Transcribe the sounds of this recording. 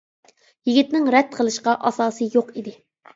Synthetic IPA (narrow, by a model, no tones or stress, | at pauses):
jiɡʲit̪nɪŋɾɛd̪̥̚qʰəlˠɨʃqɑʔɑsɑːsɨjoqid̪ɪ